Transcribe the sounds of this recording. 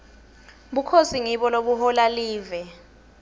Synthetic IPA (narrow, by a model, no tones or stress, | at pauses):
ɓukʰosiŋiɓɔloɓuhɔlaliːvɛ